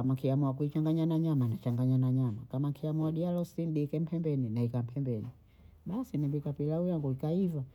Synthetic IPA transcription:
amakiamuakuit͡ʃaŋɡaɲanaɲamanat͡ʃaŋɡaɲanaɲamakamakʰiamuaɗialɔsindikɛm̩pʰɛmbɛninaikam̩pʰɛmbɛni | ɓasinibikapilaujaŋɡuikaiva

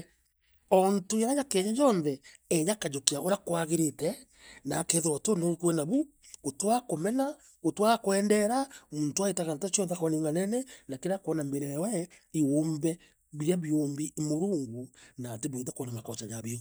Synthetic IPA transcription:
ɔntoeɾajakɛɲad͡ʒɔnðɛɛɲakad͡ʒokiaʔoɾakwaɣeɾetɛ | nakeðoɾɔtonokwɛnaβu | otwakomɛna | otwakowɛːndɛɾamuːntoaetaɣanatat͡ʃjɔnðɛkɔneːŋɡanɛnɛnakeɾakɔnambeɾɛwɛioːmbɛ | βiɾiaβioːmbimoɾuːŋɡunateβoitakɔnamakɔt͡ʃaɲaβeɣ

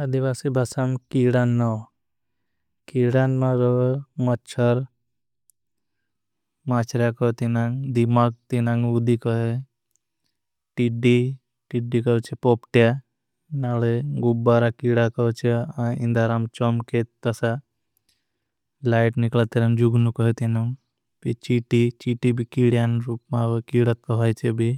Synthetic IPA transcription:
ɐd̪iʋasibʱɐsamkiɽanːɔw | kiɽanmaɾomɐt͡ʃʰəɾ | mat͡ʃɾakɔt̪inaŋd̪imak̚t̪inaŋud̪ikɔɦe | ʈiɖi | ʈiɖikɔt͡ʃʰepopʈja | naleɡubːaɾakiɽakɔɦt͡ʃʰeãḭ̃nd̪aɾamt͡ʃɔmket̪əsa | laɪʈniklat̪iɾamd͡ʒuɡnukɔɦet̪inaŋ | pit͡ʃiʈit͡ʃiʈibʱikiɽijanɾuːpmabekiɽət̪̚kɔɦɔjt͡ʃʰebʱi

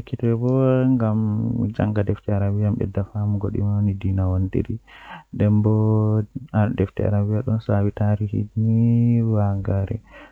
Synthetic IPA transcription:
ekʰːitɛɛbɔŋɡamd͡ʒa̰ŋɡadɛftɛaɾabijambɛ̰dafamuɡoɗḭmawnidinawondḛɾidɛmbɔ | adɛftɛ̰a̰ɾabijaɗɔnsawitaɾihḭniwaɡaɾɛ̰

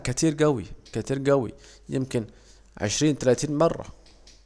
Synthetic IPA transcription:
kat̪iːɾɡæwḭkat̪iːɾɡæwḭ | jɪ̰mkɪn | ʕɪ̰ʃɾiːnt̪alaːt̪iːnmɑrˤːɑ̰

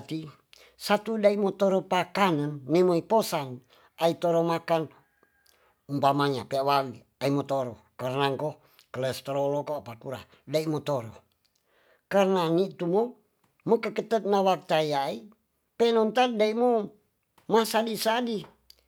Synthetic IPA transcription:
t̪i | sat̪udaiʔmot̪oɾopakanənːɛmoiposan | ait̪oɾomakan | umpamaɲa̰peawali | aimot̪oɾo̰ | karnaŋko | kələst̪ɾolokoapakuɾa̰ | daimot̪oɾo̰ | karnanit̪umo | mokəkət̪ət̪̚nawak̚t̪ajai | pɛnont̪andaiʔmo | masadisadi

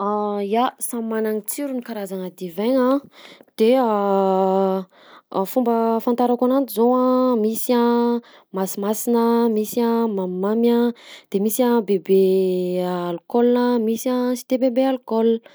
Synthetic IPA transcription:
ajasammanaŋit͡siɾunikaɾazaŋəd̪ivɛɲãd̪̥e | fumbəfant̪aɾakanand̪izoamisã | masimasinəmisãmammamjad̪̥emisabebeː | lkɔlnəmisasi̥t̪ebebealkɔl

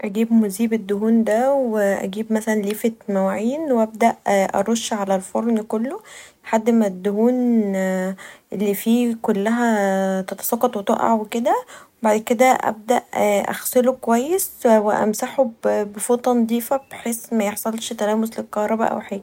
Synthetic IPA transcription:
ʔæɡiːbmoziːbed̪ːoɦuːnd̪æweʔæ̰ɡiːbmæsælænliːfet̪mæwaʕiːnwʔæb̚d̪æʔʔɑ̰ɾˤoʃːʕalælfoɾˤnkolːolħad̪ːmæd̪ːohuːn | ʔelːifiːkolːæɦæt̪ɑt̪ɑ̥sˤɑqːɑt̪ˤwet̪ˤɑʔɑ̰ʕweked̪æwebaʕd̪ked̪æʔæ̰b̚d̪æ̰ʔʔæ̰xselokowæjːesweʔæ̰msaħobbefoːt̪ˤɑnd̪ˤiːfæb̥eħeːsmæjeħsˤɑlʃt̪ælæːmoslelkɑhɾˤɑbæ̰ʔæ̰wħeːl

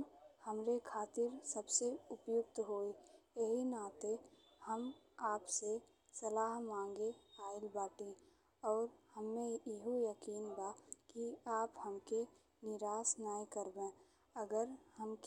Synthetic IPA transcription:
həmɾekʰaːt̪ɪɾsəbseʊpjʊkt̪ɦoːijəɦinaːt̪e | həmaːpse | səlaːɦmãːŋɡeaːɪlbaːʈẽ | ɔːɾhəmːẽɪɦojəkiːnbakiaːphəmke | nɪɾaːsnaːikəɾbẽ | əɡəɾhəmk

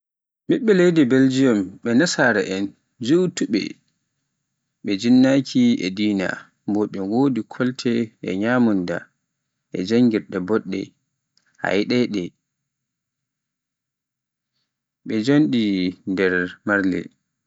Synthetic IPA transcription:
ɓiɓːɛlejdɛbeld͡ʒijɔmɓɛnasaɾɛʔɛn | d͡ʒuwtuɓɛ̰ | ɓɛd͡ʒinːakʰiɛ̰diːna̰ | mbɔɗumwoːdikʰɔltʰɛɛ̰ɲaːmunda̰ | ʔɛ̰d͡ʒaŋɡiɾɗɛbɔɗːɛ̰ | ha̰jɗɛɗɛ | ɓɛd͡ʒonɗindɛɾmaɾlɛ̰

